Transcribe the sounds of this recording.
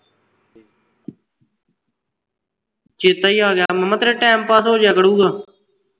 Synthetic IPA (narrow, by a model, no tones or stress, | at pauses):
t͡ʃeːt̪aːiːaːɡɪjaːmɛmət̪ɾeːʈɛːmpaːsɦoːd͡ʒaːkəɽũːɡaː